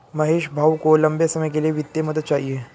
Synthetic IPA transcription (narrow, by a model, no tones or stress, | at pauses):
mɐɦeːʃbʱaːʋkolɐ̃mbesɐməjkelijeʋɪt̪jemɐd̪əd̪̚t͡ʃaːɦie